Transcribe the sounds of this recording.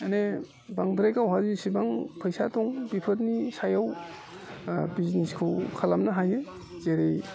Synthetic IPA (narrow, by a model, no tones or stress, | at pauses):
ene | baŋdɾajkawɦazisibaŋpʰajsatɔŋbipʰɯɾnisajaw | bizniskʰɯwkʰalamnaɦajɯ | zeɾej